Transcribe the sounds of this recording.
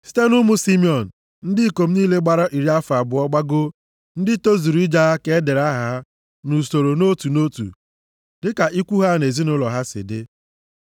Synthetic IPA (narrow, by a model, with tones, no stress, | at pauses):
si̥˦te˦nʊ˦mʊ˦si˦mi˦ɔ˨n̩˨ | n̩˦dɪ˦˨ko˨m̩˦niː˦le˦ɡ͡ba˨ɾa˦ʔi˨ɾi˦a˦fa˨bʊ˨ɔ˦ɡ͡ba˦ɡʊ˦ | n̩˦dɪ˦to˦zi˨ɾi˦d͡ʒa˦a˦ke˨˦de˨ɾa˦ɦa˦ | nu˨so˨ɾo˨no˦tu˨no˦tṵ˨ | dɪ˦ka˨ʔi˦kʷu˦ɦa˦ne˨zi˦nʊ˦lɔ˨ɦa˦sɪ̰˨dɪ̰˦